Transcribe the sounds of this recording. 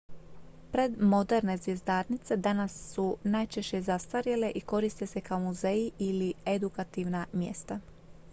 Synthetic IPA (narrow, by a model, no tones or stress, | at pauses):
pɾe̞d̪mo̞d̪e̞ɾne̞zʋjezd̪aːɾnit̪se̞d̪anasːunajt͡ʃe̞ʃt͡ɕe̞zast̪aɾjele̞ʔiko̞ɾist̪e̞se̞kaomuzeiʔilied̪ukat̪iʋnamjḛst̪a